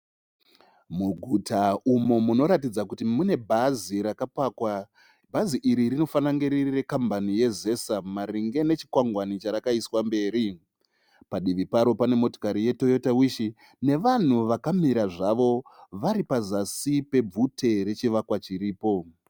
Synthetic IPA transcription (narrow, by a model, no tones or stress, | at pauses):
muɡʱutaumomuno̞ɾat̬id͡zakutimune̞bʱaziɾakapaːkwa | bʱaziʔiɾiɾino̞fanaŋɡeɾirire̞kambanije̞ze̞samaɾiŋɡe̞ne̞t͡ʃi̥kwaŋɡwanit͡ʃaɾakaiswambe̞ːɾi | paɗiʋipaɾo̞pane̞mo̞to̥kaɾije̞to̞jotawiʃi | ne̞ʋan̤uʋakamiɾaʐaʋo̞ʋaɾipazasipe̞b͡vutʰe̞ɾe̞t͡ʃiʋakwat͡ʃiɾiːpo̞